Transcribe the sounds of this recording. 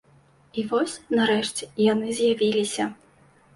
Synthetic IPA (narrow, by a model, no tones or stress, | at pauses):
ivɔsʲnaɾɛʂt͡sʲɛjanɨzʲjavʲilʲisʲɐ